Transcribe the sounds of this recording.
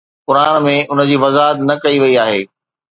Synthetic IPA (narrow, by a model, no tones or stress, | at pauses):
kʊɾaːnmẽʔʊnə̆d͡ʑiːʋɐzaːɦət̪nɐkɐiʋɐiaːɦeː